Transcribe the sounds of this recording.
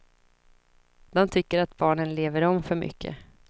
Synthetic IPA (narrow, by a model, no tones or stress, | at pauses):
d̪ɔmt̪ʰʏkːəɾat̪bɑːɳənleːvəɾɔmfœɾmʏ̰kːə̰